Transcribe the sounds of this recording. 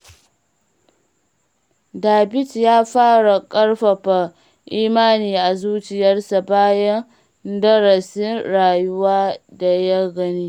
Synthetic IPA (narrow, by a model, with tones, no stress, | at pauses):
daː˨bɪ˦tjaː˦ɸaː˦ɽa˨kʼɐ˦ɽɸɐ˨ɸa˨ | ʔiː˦maː˦niː˨ʔa˨zuː˦t͡ʃɪ˨jɐ˦rsa˨baː˦jɐ˦n | dɐ˦ɾɐ˨sɪ˦nɾaː˨jʊ˦waː˦da˨ja˦ɡɐ˦niː˦